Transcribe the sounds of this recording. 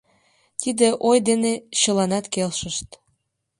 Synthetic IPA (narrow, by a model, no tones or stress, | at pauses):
t̪id̪eʔojd̪eneɕə̆lɑnɑt̪kelʃəʃt̪